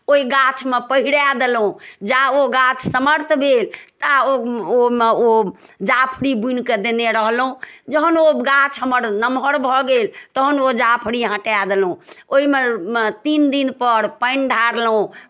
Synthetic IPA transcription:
oiɡat͡ʃʰmepəɦiɾad̪elɦũd͡ʒaoɡat͡ʃʰsəməɾt̪ʰbʱelt̪aoomeod͡ʒapʰɾibunked̪eneɾəɦlɦũd͡ʒəɦənoɡat͡ʃʰɦəməɾnəmɦəɾbʱɔɡelt̪əɦənod͡ʒapʰɽiɦə̃ʈad̪elɦũoimet̪ind̪inpəɾpəɪnɖʱaɾlũ

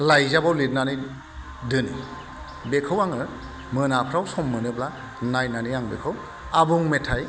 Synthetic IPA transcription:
lajzabawlit̚nanij | dɯni | bekʰɯwaŋɯ | mɯnapʰɾawsɔmːɯnɯbla | najnanijaŋbekʰɯw | abuŋmetʰaj

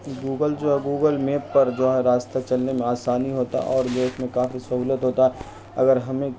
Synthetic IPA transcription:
ɡuːɡəld͡ʒoːɦɛɡuːɡəlmeːpːɐɾd͡ʒoːɦɛɾaːst̪at͡ʃɐlnemẽaːsaːniɦoːt̪a̰ʔɔːɾd͡ʒeːsmẽkaːfisɐɦuːlət̪ɦoːt̪aɦɛ | ɐɡəɾɦɐmẽ

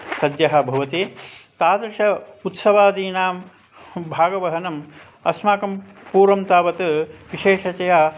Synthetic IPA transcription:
sɐd̪jɐɦɐ̆bʱɐʋɐt̪it̪aːd̪ɾɪʃɐut̪sɐʋaːd̪iːnaːm | bʱaːɡɐʋɐɦɐnɐm | ɐsmaːkɐm | puːɾɐmt̪aːʋɐt̪ɐʋiʃeːʂɐt͡ʃɐjaː

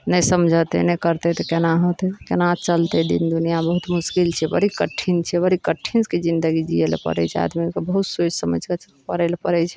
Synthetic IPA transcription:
nɛsəmd͡ʒʱət̪ḛnɛkəɾt̪et̪ɔkenaɦot̪ekenat͡ʃəlt̪ed̪ḭnd̪unijabəɦut̪muskilt͡ʃʰɛbə̰ɾikəʈʰːint͡ʃʰɛbəɾikəʈʰːinsked͡ʒind̪əɡid͡ʒielpə̰ɾɛ̰t͡ʃʰɛa̰d̪mikebəɦut̪sot͡ʃʰsəmə̰d͡ʒʱke | pəɾelpəɾɛt͡ʃʰɛ̥

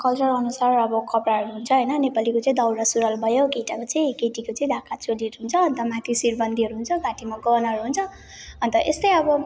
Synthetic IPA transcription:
kʌlt͡sʌɾʌnusarʌbʌkʌpɾaɦʌɾuɦunt͡sʰʌɦʌjnʌnepalikot͡sʌ̃ĩd̪ʌwɾʌsuɾʌlbʱʌjokeʈakot͡sʌĩkeʈikot͡sʌĩd̪ʱakʰat̪̚t͡sʰolieʈɦunt͡sʰʌːnt̪ʌmãt̪ʰisirbʱʌnd̪iɦʌɾuɦunt͡sʰʌɡaʈimaɡʌnʌɦʌɾuɦunt͡sʰʌ | ʌnt̪ʌʔest̪ʌjʌbʌ

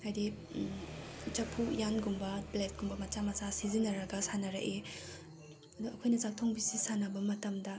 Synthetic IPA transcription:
hajdi | t͡ʃɐpʰujanɡumbɐblet̚ɡumbɐmɐt͡ʃamɐt͡ʃasizinɐɾɐɡɐsanɐɾɐ̰ʔe | ɐduɐkʰojnɐt͡ʃak̚tʰoŋbisisanɐbɐmɐtɐmdɐ

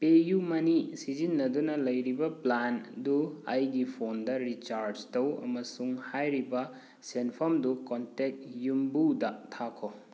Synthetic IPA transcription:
pejumɐnisizinːɐdunɐlɐjɾibɐplandua̰jɡipʰondɐɾit͡ʃaɾd͡ʒtɐwɐ̰mɐsuŋhajɾibɐ | senpʰomdukontek̚jumbudɐtʰakʰo

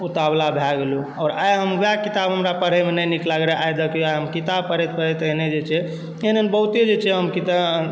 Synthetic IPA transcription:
ut̪ablabʱaɡelu | ɔːɾajɦəmbjakit̪abɦəmɾapəɾɦəmenəjniklaɡɾɛʔajd̪əkjoajɦəmkit̪ab̚pəɾɛt̪̚pəɾɛt̪əɦned͡ʒet͡ʃʰɛ | eɦnenbəɦut̪ed͡ʒet͡ʃʰɛɦəmkit̪a

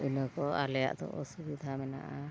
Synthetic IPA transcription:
unɔkɔalɛja̰ʔd̪ɔ̰ʔɔsubid̪ʱamɛna̰ʔa

